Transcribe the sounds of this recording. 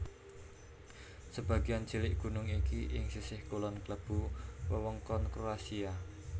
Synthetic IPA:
səb̥a̤ɡiand͡ʒilɪʔɡ̥ṳnʊŋikiʔɪŋsisɪhkolɔnkləb̥uwəwəŋkɔnkɾoasia

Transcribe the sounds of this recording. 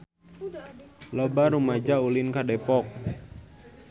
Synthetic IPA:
lɔbaɾumad͡ʒaulinkadɛpɔk̚

